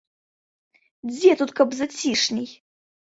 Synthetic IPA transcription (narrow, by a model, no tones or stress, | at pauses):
d͡zʲet̪ut̪kɐbzɐt͡sʲiʂnʲij